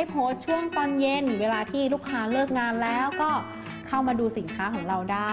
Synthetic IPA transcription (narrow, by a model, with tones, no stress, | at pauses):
a˧˥˩jpʰoː˦˥t̪̚t͡ɕʰu˥˩əŋt̪ɔː˧nje˧nweː˧laː˧t̪ʰiː˥˩luː˥˩kʰːaː˦˥lɤː˥˩k̚ŋaː˧nlɛː˦˥wkɔː˥˩ | kʰa˥˩wmaː˧duː˧si˩˦nkʰaː˦˥kʰɔː˩˦ŋɾa˧wdaː˥˩